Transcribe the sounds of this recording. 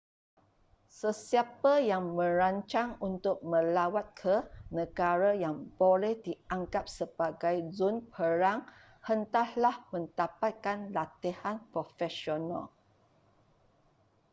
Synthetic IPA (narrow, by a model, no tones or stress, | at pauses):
səsiapajaŋmə̃ɾaɲt͡ʃaŋunt̪ʊk̚mə̃lawat̪̚kʰənə̃ɡaɾajaŋb̥olɛhdiaŋkap̚səb̥aɡajzunpʰəɾaŋ | hənt̪ahlahmə̃nt̪apat̪̚kanlat̪ihanpɾofɛsiona̰l